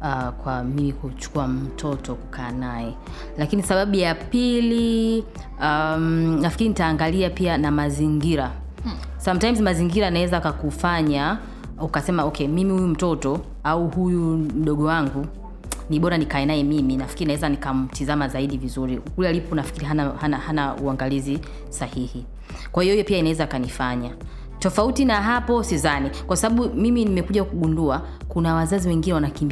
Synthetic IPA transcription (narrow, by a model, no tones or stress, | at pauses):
akwamimikut͡ʃu̥kuam̩tʰɔtɔku̥kʰaːnaɛ | lakinisaɓaɓujapili | amnafikiɾinitaːŋɡaliapianamaziŋɡiɾa | samtajmzmaziŋɡiɾanawɛzakakufaɲa | ukasɛmaɔkɛmimihujum̩tɔtɔ | auhujum̩ɗɔɠɔwaŋɡu | niɓɔɾanikaɛnaɛmiminafkiɾinawɛzanikam̩tizamazaiɗivizuɾiukulalipɔnafkiɾiɦanahanahanauaŋɡalizi | sahihi | kwahijɔhijɔpiainawɛzaːkanifaɲa | tɔfautinaɦapɔsizanikwasaɓaɓumiminimɛkuʄakuɠundua | kunawazaziwɛŋɡinɛwanakimb